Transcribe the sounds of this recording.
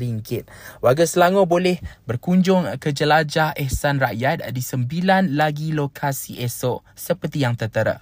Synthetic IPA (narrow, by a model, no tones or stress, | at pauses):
ɾiŋkɪt̪̚waɡasəlaŋobolɛhbərkuɲd͡ʒʊŋkəd͡ʒəlad͡ʒahɛhsanraʔjat̪̚disəmbilanlaɡilokʰasiʔɛsɔʔsəpərt̪ijaŋt̪ət̪əɾə̰ʔ